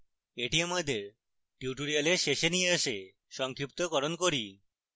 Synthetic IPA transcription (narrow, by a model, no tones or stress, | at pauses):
eʈiamad̪eɾ | ʈjuʈoɾialeɾʃeʃenijeaʃe | ʃɔŋkʰɾip̚t̪okɔɾonkoɾi